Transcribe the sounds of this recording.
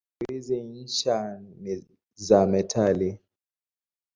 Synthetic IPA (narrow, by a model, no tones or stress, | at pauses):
iziiʃani | zamɛtʰali